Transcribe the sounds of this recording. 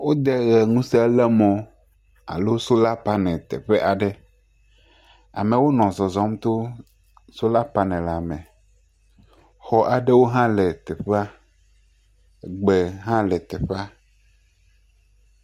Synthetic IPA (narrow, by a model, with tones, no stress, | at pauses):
wo˦d̪ɛ˦ɣɛ˨ŋũ˦sɛ˦lɛ˦mɔ̃˨ | a̰˨lo˦so˦la˦pa˦nɛ̃˨t̪ɛ̰˨ɸe˦ʔa˨ɖɛ˦ | a̰˨mẽ˨wo˦nɔ̃˨zɔ˨zɔ̃˦mt̪o˦ | so˦la˦pa˦nɛ̃˨la˨mɛ̃˨ | xɔ˨ʔa˨ɖɛ˦wo˦ɦã˦lɛ˨t̪ɛ˨ɸa˦˨ | ɡ͡bɛ˨ɦã˦lɛ˨t̪ɛ˨ɸa˦